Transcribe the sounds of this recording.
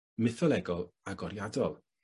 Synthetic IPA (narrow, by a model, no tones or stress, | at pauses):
mɪθɔlˠɛɡɔlˠaɡɔɾjadɔlˠ